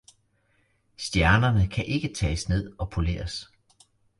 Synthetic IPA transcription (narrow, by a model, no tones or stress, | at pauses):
sd̥jæɐnɐnəkʰæʔe̝ɡ̥ət͡sʰɛ̰ːsne̝ð̞̰ˠɒ̽pʰole̝̰ːɐs